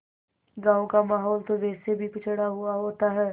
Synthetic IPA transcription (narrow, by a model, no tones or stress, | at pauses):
ɡãːwkamaːɦɔːlt̪oʋɛːsebʱipɪt͡ʃʰəɽaɦʊaɦoːt̪aɦɛː